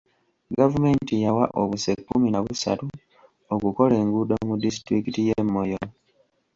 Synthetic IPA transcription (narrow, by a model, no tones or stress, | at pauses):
ɡavume̞ːntijawaʔo̰βuse̞kːuminaβusa̰tu | okuko̞le̞ːŋɡudomudis̬tɾikitijemːo̞jo